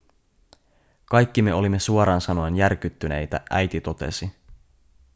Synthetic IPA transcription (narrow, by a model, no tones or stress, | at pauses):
kɑjkʲːime̞o̞limːe̞suoɾɑːnsɑno̞enjærk̟yt̪ːyne̞̰jt̪æ̰ʔæjt̪it̪o̞t̪e̞̰si